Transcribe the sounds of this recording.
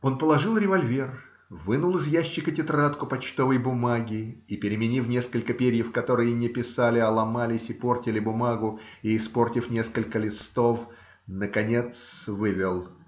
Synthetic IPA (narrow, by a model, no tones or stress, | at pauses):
o̞npəlˠɐʐɨlˠɾʲɪvɐlʲvʲe̞r | vɨnʊlˠɨzjæɕːɪkətʲɪt̪ɾat̪kʊpɐt͡ɕt̪o̞vəjbʊmaɡʲɪipʲɪɾʲɪmʲɪnʲifnʲeskəlʲkəpʲeɾʲjəfkɐt̪o̞ɾɨjənʲɪpʲɪsalʲɪɐlˠɐmalʲɪsʲɪpo̞rtʲɪlʲɪbʊmaɡʊiɪspo̞rtʲɪfnʲe̞skəlʲkəlʲɪst̪o̞f | nəkɐnʲe̞t̪svɨvʲɪlˠ